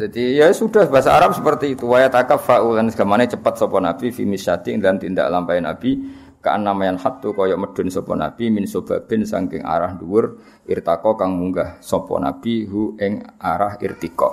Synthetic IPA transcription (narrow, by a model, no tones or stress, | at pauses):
d͡ʒad̥ijasud̥ahb̥asaːɾap̚səpərt̪iːt̪uwajat̪akap̚faʔulansɡ̥amanet͡ʃəpət̪̚sɔpɔnab̥ifimɪsʃad̪ɪŋd̪alamt̪ind̪a̰ʔlampajənab̥i | ka̰ʔanːamajanhat̪ːukɔjɔʔməd̥ʊ̤nsɔpɔ̰na̰b̥iminsob̥ab̥ɛ̤nsa̰ŋkɪŋa̰ɾahnduwʊr | ʔirt̪akɔkaŋmuŋɡahsɔpɔ̰na̰b̥iɦuɪŋaɾahḭrt̪ikɔ̰ʔ